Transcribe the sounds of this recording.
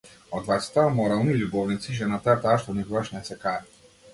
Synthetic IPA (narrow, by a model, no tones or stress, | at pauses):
ɔd̪vajt̪sɛ̥t̪amɔɾalˠnilubɔvnit̪siʒɛnat̪at̪aʃt̪ɔnibuvaʃnɛsɛkaɾi